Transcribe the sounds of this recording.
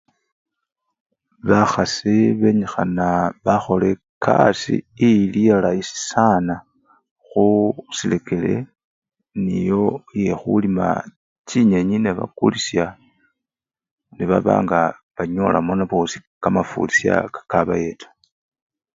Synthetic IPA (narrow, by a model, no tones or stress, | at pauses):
βaxasiβe̞ɲixanaβaxo̞le̞ | kʰa̰sḭːlijalaisi̥sana | xusile̞kʰe̞le̞̰ | nijo̞je̞xulima̰ | ciɲeɲineβa̰kulisja | niβaβa̰ːŋɡaβaɲolamonaβosi̥kamafṵlisja̰kḁkaβaje̞tʰḁ